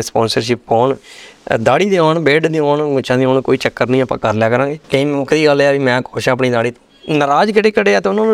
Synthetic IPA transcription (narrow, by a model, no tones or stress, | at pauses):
spɔ̃ːnsəɾʃɪpːɔːnd̪aːɽiːd̪eoːɳbeːɖd̪eoːnmʊt͡ʃʰãːd̪iːoːnkoːiːt͡ʃəkːəɾnĩːəpã̰ːkəɾlɛːkəɾãːɡeːt̪eĩmokd̪iːɡəlaːʋiːmɛ̃ːkoːʃɛ̃ːp̬ɳiːd̪aːɽiː | nəɾaːd͡ʒkɪɽeːkəɽeːaːt̪eʊnãːnũː